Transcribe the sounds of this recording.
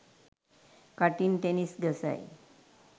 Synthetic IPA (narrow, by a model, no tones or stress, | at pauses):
kaʈiːnt̪enisɡʱəsa̰j